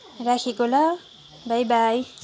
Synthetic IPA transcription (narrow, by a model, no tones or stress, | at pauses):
rakʰikola | bʱajbaj